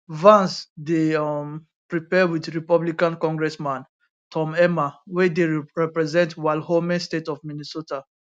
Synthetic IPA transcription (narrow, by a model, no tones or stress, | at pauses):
vãnsdem | pɹipɛwidɹipablikãnkɔ̃ŋɡɹɛsmãn | tʰɔ̃mɛmawɛ̃deɹɛpɹɛzɛ̃ntwaɪlhomɛ̃stetɔfminisota